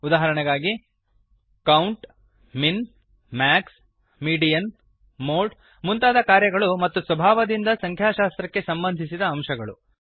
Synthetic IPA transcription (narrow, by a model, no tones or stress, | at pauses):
ud̪aːɦɐɾɐɳɐɡaːɡi | kɐwɳʈ | min | maːks | miːɖijɐn | moːʈ | munt̪aːd̪ɐkaːɾjɐɡɐɭumɐt̪ːusʋɐbʱaːʋɐd̪ind̪ɐsɐŋkʰjaːʃaːst̪ɾɐkːe̞sɐmbɐnd̪ʱisid̪ɐːmʃɐɡɐɭu